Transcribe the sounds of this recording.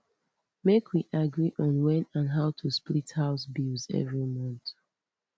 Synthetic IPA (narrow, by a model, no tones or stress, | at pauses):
mekʰwiʔaɡɹiʔɔ̃nwɛ̃nãnɦaʊtʰusplithaʊsbilzɛ̰vɹimɔ̃nθ